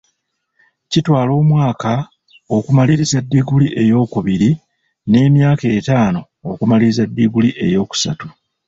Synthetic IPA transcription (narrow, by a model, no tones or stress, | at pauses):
citwaːlo̞ːmwaːka | o̞kumaliɾizadːiɡuliʔe̞jo̞ːkuβiɾi | ne̞ːmjaːke̞ːtaːno̞ | okumaliɾizadːiɡuliʔe̞jo̞ːku̥sa̰tu